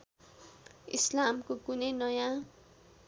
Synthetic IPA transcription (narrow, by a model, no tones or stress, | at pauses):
ḭslamkokunenʌjã